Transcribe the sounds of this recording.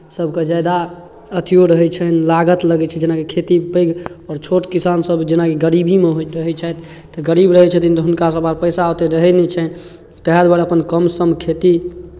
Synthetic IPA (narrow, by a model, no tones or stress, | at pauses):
səbʱked͡ʒajd̪a | ət̪ʰijoɾəɦɛt͡ʃʰəɦnlaɡət̪ləɡɛt͡ʃʰɛd͡ʒenakekʰet̪ibəɡɔɾt͡ʃʰoʈkisansəbd͡ʒenakeɡəɾibimeɦoɾəɦɛt͡ʃʰajt̪ʰ | t̪ɔɡəɾibɾəɦɛt͡ʃʰət̪int̪ɔɦunkasəbaɾpəɪsaot̪eɾəɦɛnɛt͡ʃʰɛn | t̪əɦad̪baɽəpənkəmsəmkʰet̪i